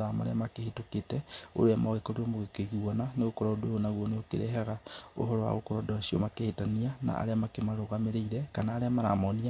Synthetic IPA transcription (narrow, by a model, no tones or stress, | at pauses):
ama̰ɾḛamakehetoketɛo̰ɾeamɔɣekoɾeɔmoɣekeɣiɔnaneɣokɔɾaodoonaɣwɔneokḛɾɛ̰ɦɛɣao̰ɦɔɾɔwa̰ɣokɔɾɔdowasiomakehetaniana̰a̰ɾeamakemaɾoɣameɾeiɾɛkanaːɾeamaɾa̰mɔnia